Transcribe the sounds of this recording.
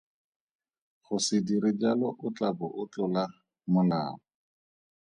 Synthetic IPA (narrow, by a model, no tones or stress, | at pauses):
χʊsɪdiɾɪd͡ʒalɔʔʊt͡ɬʼabʊʔʊt͡ɬʼʊla | mʊla̰ːmɔ